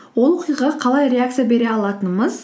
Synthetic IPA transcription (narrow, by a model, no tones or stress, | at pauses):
wo̞lˠwo̞qijʁɑqʰɑlˠɑjɾʲe̞akt̪sɨjabe̞ɾeɑlˠɑt̪ənməz